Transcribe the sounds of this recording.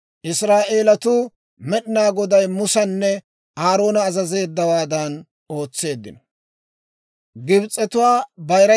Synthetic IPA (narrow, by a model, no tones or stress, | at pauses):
ʔɪsɾaːʔe̞ːlɐt̪ʊː | mɛɗɪnaːɡɔd̪ɐjmʊsɐnːɛ | aːɾo̞ːnɐːzɐze̞ːd̪ːɐwaːd̪ɐn | o̞ːt͡sːe̞ːd̪ːɪ̰nɔ̥ | ɡɪbt͡sʼːɛt̪ʊwaːbɐjɾɐ